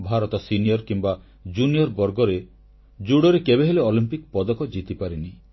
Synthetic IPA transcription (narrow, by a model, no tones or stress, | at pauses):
bʱaɾɔt̪ɔsinijɔɾkimba | d͡ʒunijɔɾbɔɾɡɔɾe | d͡ʒuɽɔɾekebeɦeleolimpikpɔd̪ɔkɔd͡ʒit̪ipaɾini